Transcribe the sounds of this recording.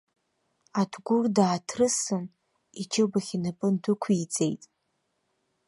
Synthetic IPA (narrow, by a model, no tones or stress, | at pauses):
adʰɡʷʊrdaːtʰrɨsɨn | it͡ʃʰɨbaχʲinapʼɨndɨkʷʰid͡zʼe̞̰jtʼ